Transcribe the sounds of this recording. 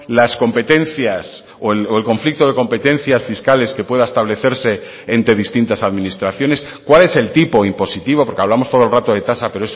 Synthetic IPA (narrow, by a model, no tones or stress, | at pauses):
lasko̞mpe̞t̪e̞nθjas | oeloe̞lko̞ɱflik̚t̪o̞ðe̞ko̞mpe̞t̪ẽ̞n̟θjasfiskale̞ske̞pwe̞ðaest̪aβle̞θe̞ɾse̞ː | nt̪ɾe̞ð̞ist̪int̪asaðmĩnist̪ɾaθjo̞ne̞s | kwale̞se̞lt̪ipo̞impo̞sit̪iβo̞po̞ɾke̞aβlamo̞st̪o̞ðolrat̪o̞ðe̞t̪asape̞ɾoes